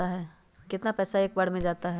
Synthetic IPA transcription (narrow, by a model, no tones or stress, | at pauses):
aɦɛː | kɪt̪napɛːsaeːk̚baɽmẽd͡ʒaːt̪aɦɛ